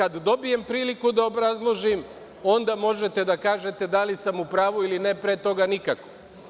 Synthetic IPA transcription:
kad̪ːo̞bije̞mpɾiːlikud̪aobɾazlˠoʒim | o̞nd̪amo̞ʒe̞t̪e̞d̪akaːʒe̞t̪e̞d̪alisamupɾaːʋuiline̞pɾet̪o̞ɡanikako̥

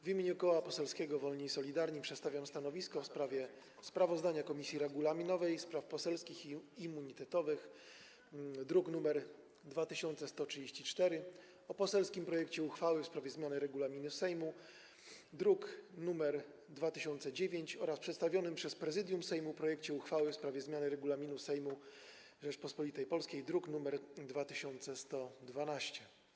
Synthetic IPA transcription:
vʲimʲeɲukɔwapɔsɛlskʲɛɡɔvɔlɲisɔlʲid̪aɾɲipʂɛt̪st̪avʲjamst̪anɔvʲiskɔfspɾavʲjɛ | spɾavɔzd̪aɲakɔmʲisʲjiɾɛɡulamʲinɔvɛjspɾafpɔsɛlskʲixiːmːuɲit̪ɛt̪ɔvɘx | d̪ɾuknumɛɾ | d̪vat̪ɘɕɔnt̪sɛst̪ɔtʂɨd͡ʑeɕt͡ɕit͡ʂt̪ɛɾɘ | ɔpɔsɛlskʲimpɾɔjɛkt͡ɕɛuxfawɘfspɾavʲjɛzmʲjanɘɾɛɡulamʲinɘfsɛjmu | d̪ɾuknumɛɾ | d̪vat̪ɘɕɔnt̪sɛd͡ʑevʲeɲt͡ɕɔɾaspʂɛt̪st̪avʲjɔnɘmpʂɛspɾɛzɘd̪ʲjumsɛjmupɾɔjɛkt͡ɕɛuxfawɘfspɾavʲjɛzmʲjanɘɾɛɡulamʲinusɛjmu | ʐɛt͡ʂpɔspɔlit̪ɛjpɔlskʲejd̪ɾuknumɛɾd̪vat̪ɘɕɔnt̪sɛst̪ɔd̪vanaɕt͡ɕɛ

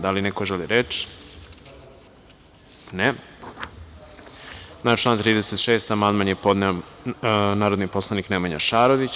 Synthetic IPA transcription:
d̪alinekoʒeliɾet͡ʃ | ne | nat͡ʃlˠaːnt̪ɾiːd̪eset̪ʃeːst̪amand̪manjepo̞d̪neo | naːɾod̪nipo̞slˠaniknemaɲa̰ʃaːɾoʋit͡ɕ

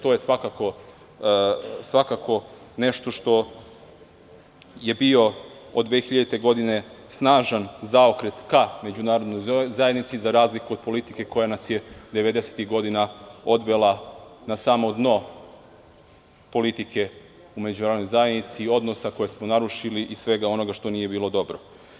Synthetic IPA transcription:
t̪o̞ːje̞sʋakako̞ | sʋakako̞ne̞ʃt̪o̞ʃt̪o̞ | je̞bio̞od̪ːʋexiʎad̪it̪e̞ɡo̞d̪ine̞snaːʒanzaokɾe̞t̪kame̞d͡ʑunaːɾod̪nojzajed̪nit̪sizaɾaːzlikuo̞d̪̚po̞lit̪ike̞ko̞janasjed̪e̞ʋe̞d̪e̞se̥t̪iɣɡo̞d̪inao̞d̪ʋe̞lˠanasaːmo̞d̪no̞ | po̞lit̪ike̞ | umed͡ʑunaɾod̪ojzaje̞d̪nit̪sio̞d̪no̞sako̞jesmonaɾuʃiliʔisʋe̞ɡao̞no̞ɡaʃt̪o̞nije̞biːlˠo̞d̪o̞bɾo̞

